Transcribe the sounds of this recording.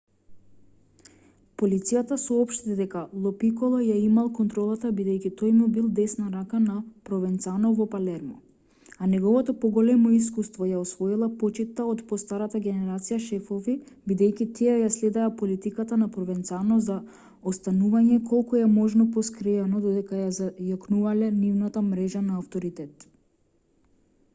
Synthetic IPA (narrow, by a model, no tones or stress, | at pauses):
polit̪sijat̪asɔɔpʃt̪id̪ɛkalˠɔpikɔlˠajaimalˠkɔnt̪ɾɔlˠat̪abid̪ɛjcʲit̪ɔjmubilˠd̪ɛsnaɾakanapɾɔvɛnt̪sanɔvɔpalɛɾmɔ̰ | anɛɡɔvɔt̪ɔpɔɡɔlɛmɔiskust̪vɔjaɔsvɔilˠapɔt͡ʃit̪ːaɔt̪pɔst̪aɾat̪aɡʲɛnɛɾat̪sijaʃɛfɔvi | bid̪ɛjcʲit̪ʰiɛjaslɛd̪ɛapɔlit̪ikat̪anapɾɔvɛnt̪sanɔza | ɔst̪anuvaɲɛkɔlˠkuɛmɔʒnɔpɔskɾɛanɔd̪ɔd̪ɛkajazajɔknuvalɛnivnat̪amɾɛʒanaːft̪ɔɾit̪ɛt̪